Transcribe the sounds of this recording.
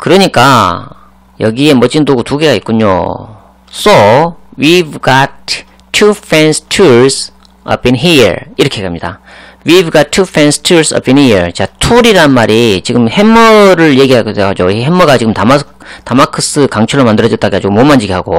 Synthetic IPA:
kɯɾʌɲik͈a | jʌɡie̞mwʌt͡ɕ͈indoɡutuɡe̞ɡaik̚k͈uɲo̰ | s͈owivɡatʰː | ufʰɛnstʰuɾs | ʌ̰pinɦiɾiɾʌkʰekamɲid̥a̰wivɡat̚tʰufʰenstʰuɾsʌ̰pinhit͡ɕatʰuɾiɾanmaɾit͡ɕiɡɯmhe̞mːʌɾɯɭje̞ɡiɦaɡedweɦad͡ʑoɦemːʌɡat͡ɕiɡɯmtama | tamakʰɯs͈ɯkaŋt͡ɕʰuɭːɾomandɯɾʌd͡ʑʌt͈aɡeɦad͡ʑiɡomomand͡ʑiɡiɦaɡo

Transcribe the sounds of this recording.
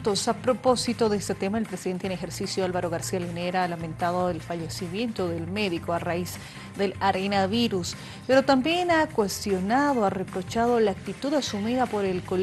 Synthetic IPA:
t̪osapɾo̞po̞sit̪oðeest̪et̪e̞maelpɾesiðent̪enexeɾsisjoalβaɾo̞ɣaɾsialineɾalamẽnt̪aðoðelfaʎe̞simje̞nt̪oðelme̞ðikoaraiz | ðe̞laɾenaβiɾus | pe̞ɾo̞t̪ambje̞nakwe̞st̪jo̞naðoare̞pɾo̞t͡ʃaðo̞laːk̚t̪it̪uðasumiðapo̞ɾe̞lko̞l

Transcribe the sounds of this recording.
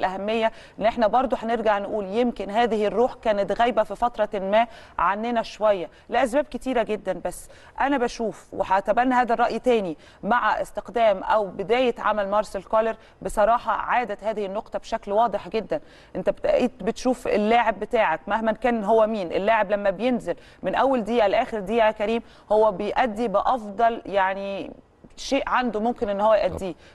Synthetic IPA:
lʔæhæmːejːæ | ʔenːʔeħnæbɑɾˤd̪ˤoħæneɾɡaʕnʔuːljemkenhæːðɪhrːuːħkæːnet̪ɣæjbæfifɑt̪ɾˤɑlmæː | ʕanːenæʃowæjːæ | læʔæs̬bæːb̚ket̪iːɾæɡed̪ːænbæsː | ʔænæbæʃuːfwḛħæt̪æbænːhæːðærˤːɑʔjt̪æːni | maʕaʔḛst̪ɪqd̪æːmʔæwbed̪æːjet̪ʕa̰mælmɑɾˤselkɑleɾ | besˤɑɾˤɑːħɑ̰ʕaːd̪æt̪hæːðɪhinːoqt̪ˤɑbeʃæklwɑːd̪ˤeħɡed̪ːæn | ʔent̪æbet̪ʔæ̰ʔiːd̪bet̪ʃuːfḛlːaːʕebːet̪aːʕak̚mæhmænkæːnɦowːæmiːnʔḛlːaːʕeblæmːæbejenzel | menʔæwːæld̪iːʔælʔæːxeɾd̪iːʔækæɾiːm | howːæbejʔæd̪ːibɪʔɑfd̪ˤɑljaʕni | ʃeːʔʕand̪omomkenʔenːhowːæjʔæd̪ːiː

